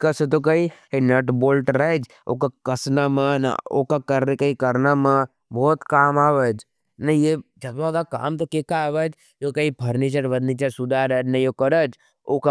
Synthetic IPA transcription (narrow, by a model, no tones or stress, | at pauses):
kɐsət̪̬okɐienɐʈboːlʈɾəd͡ʒ | o̰ːkakɐsnaməna̰o̰kakɐɾkəikɐɾnamə̃ | boːt̪kaːmaːʋəd͡ʒ | nɐjed͡ʒɐbsokaka̰ːmt̪okekaʋəd͡ʒ | jokɐipʰɐɾnit͡ʃɐɾʋəd̪nit͡ʃɐsud̪aɾəd͡ʒnɐjokɐɾəd͡ʒ | oka